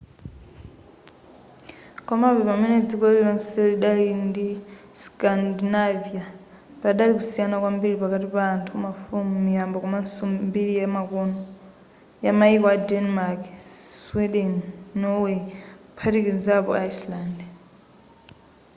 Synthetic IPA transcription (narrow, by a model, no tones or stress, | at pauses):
kɔmapɛpamɛnɛd͡zikɔlilansɛliɗalindi | skandinavija | paɗalik̬usijanakwambiɺipakatipaːntʰumafumijambɔkumasummbiɺijamakɔnɔ | jamaikɔadɛnmakswɛɗɛnːɔwɛpʰaɾikinzapɔ̰aislaːndɛ